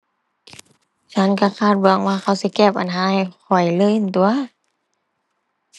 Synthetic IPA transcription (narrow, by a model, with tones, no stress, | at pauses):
t͡ɕʰa˧˥nka˧˩kʰaː˧˩t̪̚bɯ˨˧˩ŋwaː˧xa˧˩wsi˧˦kɛː˧˩p̚ʔa˨nɦaː˧˦˨jxʰɔ˨˩jlɤː˧˥˨jʔnt̪u˧˨ɐ